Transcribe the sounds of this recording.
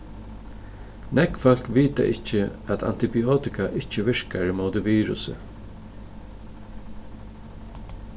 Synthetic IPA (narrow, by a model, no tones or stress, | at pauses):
nɛkfɔl̥kʋiːt̪a̰ʔɪt͡ʃːɪat̪a̰nt̪ɪbioːt̪ɪkaʔɪt͡ʃːɪʋɪɹkaɹɪmoːt̪ɪʋiːɾʊ̰sɪ̰